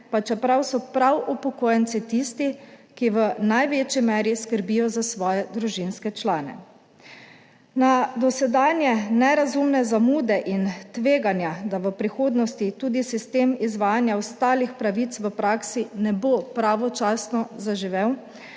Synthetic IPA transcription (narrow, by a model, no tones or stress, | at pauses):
pat͡ʃɛpɾawsɔpɾawupɔkoːjɛnt̪sit̪ist̪ikiʋənajʋeːt͡ʃimɛːɾiskəɾbijɔzasʋɔːjɛd̪ɾuʒinskɛt͡ʃlaːnɛ̰ | nad̪ɔsɛd̪aːnjɛnɛɾazumnɛzamuːd̪ɛʔint̪ʋeːɡanjad̪aʋəpɾixoːd̪nɔst̪it̪uːd̪isist̪eːmizʋaːjanjawst̪aːlixpɾaʋit̪sʋəpɾaːksinɛbopɾaʋɔt͡ʃaːsnɔzaʒiʋew